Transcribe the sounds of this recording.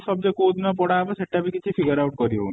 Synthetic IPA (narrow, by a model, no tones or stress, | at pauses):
sɔb̚d͡ʒekod̪napɔɽaːbɔseʈːabikit͡ʃʰipʰiɡəɾawʈ̚kɔɾiɦo̰n